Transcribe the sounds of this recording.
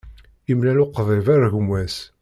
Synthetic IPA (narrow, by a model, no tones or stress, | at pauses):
imlælʊqðˤevaɾæʝəmwæs